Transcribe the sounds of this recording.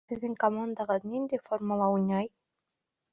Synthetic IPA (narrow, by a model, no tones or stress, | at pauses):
eðeŋkamɔnd̪aɣad̪nind̪efoɾmulauɲʲaj